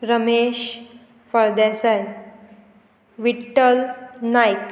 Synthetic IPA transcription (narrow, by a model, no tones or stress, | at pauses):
ɾəmeɕ | fəɾd̪asaj | ʋiʈːəlnajk